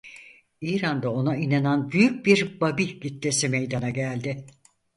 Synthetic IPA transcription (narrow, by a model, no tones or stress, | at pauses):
iːɾand̪ao̞nainananbyjyc̚biɾbabiɟit̪ːesimejd̪anaɟælʲd̪ɪ